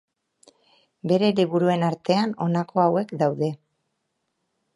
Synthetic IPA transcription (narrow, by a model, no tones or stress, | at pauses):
be̞ɾe̞liβuɾue̞naɾt̪e̞ano̞nakʰo̞awe̞kd̪awðe̞